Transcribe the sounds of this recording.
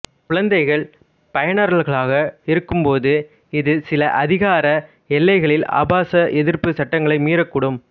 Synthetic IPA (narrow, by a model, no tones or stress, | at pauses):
kʊɻɐnd̪ɐɪɣɐɭ | pɐjɐnɐɾɐɭɣɐɭaːɣɐɪɾɯkːɯmpoːðɯ | ɪðɯsɪlɐʔɐðɪɣaːɾɐ | ɛlːɐɪɣɐɭɪla̰ːbaːsɐʔɛðɪɾpɯsɐʈːɐŋɡɐɭɐɪmiːɾɐkːʊɽɯm